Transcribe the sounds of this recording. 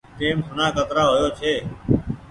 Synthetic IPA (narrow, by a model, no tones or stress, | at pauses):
ʈeːmsʊnãːkət̪ɾaːɦʊjoːt͡ʃʰeː